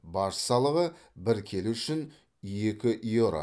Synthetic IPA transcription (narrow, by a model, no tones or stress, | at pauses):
bɑɾsɑlˠəʁə | bɪɾkʲʰe̞lɪʏʃɪn | je̞kʲɪʔjoɾa̰